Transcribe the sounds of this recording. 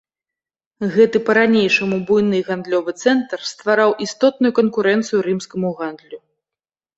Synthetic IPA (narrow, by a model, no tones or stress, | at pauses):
ɣɛt̪ɨpɐɾanʲejʂɐmubujnɨɣand̪lʲɔvɨt̪sɛnt̪rst̪vaɾawʔist̪ɔt̪̚nujukɐnkuɾɛnt̪sɨjuɾɨmskɐmuɣand̪lʲu